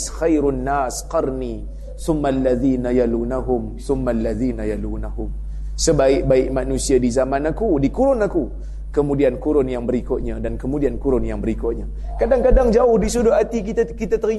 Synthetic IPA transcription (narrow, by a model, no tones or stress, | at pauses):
sxajɾnːasqɑrni | θʊmːalːaðinajalunaɦʊmθʊmːalːaðiːnajalunaɦʊm | səbaɪk̚baɪʔmanusiadizamanakudikuɾʊnaku | kəmudiankuɾʊnjaŋbəɾikʊʔ̪̚ɲadankəmudiankuɾʊnjaŋbəɾikʊʔɲa | kadaŋkadaŋd͡ʒaʊhdisudʊat̪ikit̪akit̪at̪əɾi